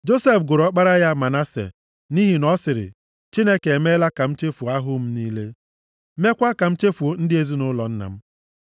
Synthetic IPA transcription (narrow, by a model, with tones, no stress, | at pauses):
d͡ʒo˦se˦fɡʊ˨ɾɔ˦k͡pa˦ɾa˦ja˦ma˨na˦sḛ˨ | ni˦ɦi˨nɔ˦sɪ˨ɾɪ̰˨ | t͡ʃi˦ne˦ke˨e˨me˦la˦ka˨m̩˦t͡ʃe˦fu˨a˦ɦʊ˦m̩˦niː˦le˦ | me˦kʷa˦ka˨m̩˦t͡ʃe˦fu˨˦n̩˦dɪ˦e˦zi˦nʊ˦lɔ˨n̩˦na̰˨m̩˦